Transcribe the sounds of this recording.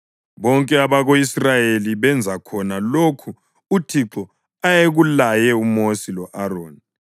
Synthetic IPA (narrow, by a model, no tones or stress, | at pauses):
βɔŋkʼɛaβaɣoisrajeliβɛnd͡zʱakʰɔnalokʰu | utʰiǁɔ | ajeɣulajɛumosilɔʔaroːni